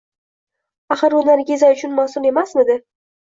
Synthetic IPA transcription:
aχɨɾonaɾɪɡʲezajʊt͡ʃʰʊnmasʊle̞masmɪd̪ɪ

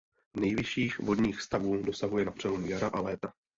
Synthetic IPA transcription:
nɛjvɪʃiːxvo̞dɲiːxst̪avuːdo̞saɦujɛnapr̥ɛlomujaɾaʔalɛːt̪a

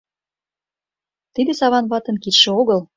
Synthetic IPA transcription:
t̪id̪esɑβɑnβɑt̪ə̆nkit̪ʃĕoɣɤl

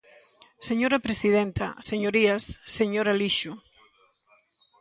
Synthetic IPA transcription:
seɲoɾapɾesiðent̪a̰seɲoɾiasseɲoɾaliʃu

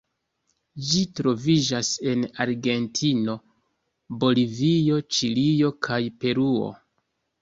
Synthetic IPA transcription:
d͡ʒitɾo̞vid͡ʒase̞naɾɡe̞ntʰino̞ | bo̞livio̞t͡ʃilio̞kʰajpe̞ɾuo̰

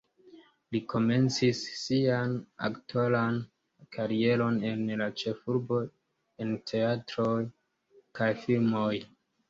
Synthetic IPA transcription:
likʰo̞me̞nt͡sisːiana̰ktwalan | kʰaɾie̞ɾo̞ne̞nlat͡ʃe̞fuɾbo̞ | e̞ntʰe̞atɾo̞j | kajfilmo̞j

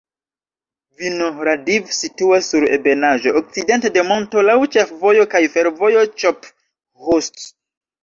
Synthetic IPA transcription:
vinoɾadivsituasːuɾḛbenaʒo̞ʔːk̚t͡side̞nte̞de̞mo̞nto̞lawt͡ʃefvojo̞kajfe̞ɾvo̞jot͡ʃop | host

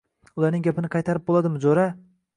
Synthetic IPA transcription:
ʊlˠaɾnɪŋɡʲapʰɪnɪqʰɑjt̪ʰaɾɪp̚bolˠad̪ɪmɪd͡ʒoɾa

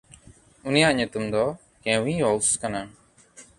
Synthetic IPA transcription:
unijaʔɲut̪umd̪ɔ | kẽwĩɔwskana

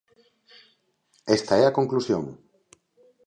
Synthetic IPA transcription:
est̪aɛɐkoŋklusjo̰ŋ

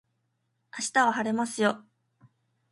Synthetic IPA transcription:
aɕi̥t̪aβaɦaɾe̞masɨjo̞

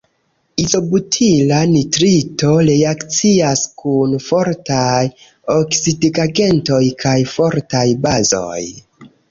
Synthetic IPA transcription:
izo̞butʰilanitɾito̞ɾeakt͡siaskunfo̞ɾtaj | o̞ksidiɡaɡe̞nto̞jkʰajfo̞ɾtajbazo̞̰j

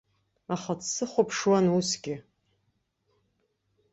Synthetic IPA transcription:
aχat͡sʰsɨχʷapʰʂwanusɡʲɪ

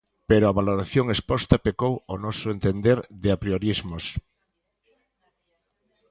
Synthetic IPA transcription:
peɾoaβaloɾaθjoŋespɔst̪ɐpekowonɔsʊent̪end̪eɾðɪapɾioɾizmos

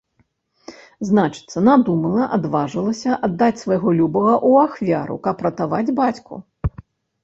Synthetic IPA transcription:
znat͡ʂɨ̥t̪sɐnad̪umɐlˠɐʔad̪vaʐɨlˠɐsʲɐʔad̪ːat͡sʲsvɐjɣɔlʲubɐɣɐʔuaxvʲaɾṵkɐpːɾɐt̪avad͡zʲbat͡sʲkṵ

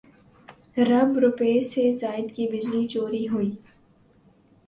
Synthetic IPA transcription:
ɾɐbɾʊpeːsezaːɪd̪kibɪd͡ʒlit͡ʃoːɾiɦuiː

